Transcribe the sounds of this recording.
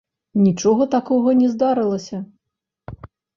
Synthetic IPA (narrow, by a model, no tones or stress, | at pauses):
nʲit͡ʂɔɣɐt̪akɔɣɐnʲɛzd̪aɾɨlˠɐsʲɐ